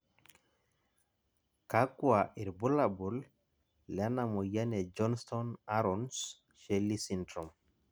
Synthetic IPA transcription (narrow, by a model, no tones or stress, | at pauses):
kakuaʔiɾbulabulː | anamɔjanɛd͡ʒɔnst̪ɔnaɾɔns | ʃelːisindɾɔm